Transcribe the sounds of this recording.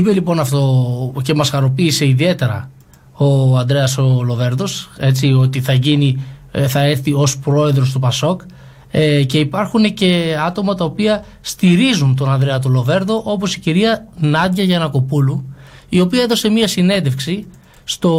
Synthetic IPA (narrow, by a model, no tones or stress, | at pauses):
ipelipo̞nɐft̪o̞ce̞mɐsxɐɾo̞piːse̞iðie̞t̪e̞ɾɐ̰ | o̞ɐnd̪ɾe̞ɐso̞lo̞ve̞ɾðo̞se̞t͡sio̞t̪iθɐʝiniθɐe̞ɾθio̞spɾo̞e̞ðɾo̞st̪upɐso̞k | ce̞ipɐɾxune̞ce̞ɐt̪o̞mɐt̪ɐopiɐ | st̪iɾizunt̪o̞nɐnd̪ɾeɐt̪̬olo̞ve̞ɾðo̞ʔo̞po̞siciɾiɐnɐd̪ʝɐʝɐnɐko̞pulu | io̞piɐe̞ðo̞se̞miɐsine̞nd̪e̞fksi | st̪o̞